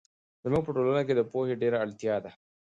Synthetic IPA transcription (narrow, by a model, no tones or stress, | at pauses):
z̥ɐmɐpʊʈoːlɐnak̬ʲeːdapoːheɖeːɾeʔalt̪ɪjaːd̪a